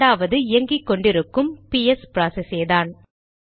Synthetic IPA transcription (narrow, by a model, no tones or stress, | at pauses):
aːʋɐðɯɪjɐŋɡikːɔɳɖɪɾɯkːɯmpiɛspɪɾaːsɛseːðaːn